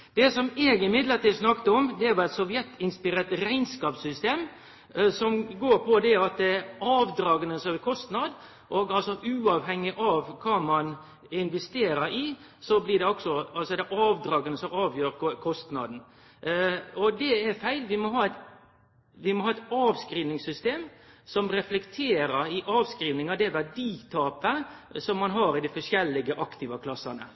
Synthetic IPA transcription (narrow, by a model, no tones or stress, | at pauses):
d̪̥ɛsɔmeːɡɪmɪd̪ləɾʈ̪iːlsnɑkt̪əɔmd̪ɛæʋɔɛt̪sɔʋjɛt̪ʰːɪnspɪɾeːt̪ɾæɪnskɑːpsʏst̪eːm | sɔmɡoːɾpʰɔd̪ɛæɾɑt̪̚d̪ɛɾɑːʋd̪ɾɑːɡənəsɔɛkʰɔst̪nɑd̪ | ʔɔɡɑlsɔʔʉːɑʋɦɛŋːɪʔɑʋkʰɑːmɑn | ɪnʋɛst̪eːɾəɾɪ | sɔblɪd̪ɛɔksɔɑlsɔd̪ɛʔɑːʋd̪ɾɑːɡənəsɔmɑːʋjøːɾkʰɔst̪nɑ̰d̪n̩ | ɔd̪ɛɛɾfæɪlʋɪmɔɦɑːɛt̪ | ʋɪmɔhɑːɛt̪ɑːʋskɾiːʋnɪŋsʏst̪eːmsɔmɾɛflɛkt̪ʰeːɾəɾɪʔɑːʋskɾiːʋnɪŋɑd̪ɛʋæɖiːt̪ʰɑːpəsɔmːɑnɦɑɾɪd̪ɪfɔʂjɛlːɪɡəʔɑkt̪ɪːʋɑkʰlɑsːɑnə̰